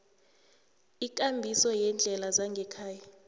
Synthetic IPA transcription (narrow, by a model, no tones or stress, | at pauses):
ik̬ʼambʱisɔjɛnd͡ɮʱɛlazaŋɡʱɛkʰaːja